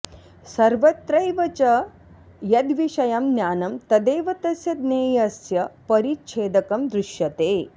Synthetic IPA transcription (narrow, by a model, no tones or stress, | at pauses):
sɐɾʋɐt̪ɾɐjʋɐt͡ʃɐ | jɐd̪ʋiʃɐjɐmnjaːnɐmt̪ɐd̪eːʋɐt̪ɐsjɐd̪neːjɐsjɐpɐɾitʃʰeːd̪ɐkɐmd̪ɾuʃjɐt̪eː